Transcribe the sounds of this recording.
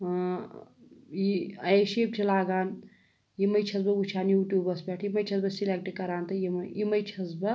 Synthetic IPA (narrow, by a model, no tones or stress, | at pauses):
jiɐeʃeːp̚t͡ʃʰilaːɡaːn | jimɐjt͡ʃʰɐsbɐut͡ʃʰaːnjuːʈʲjuːbɐspʲɛːʈʰjimɐjt͡ʃʰɐsbɐsileːk̚ʈikɐɾaːnt̪ɐjimjimɐjt͡ʃʰɐzbɐ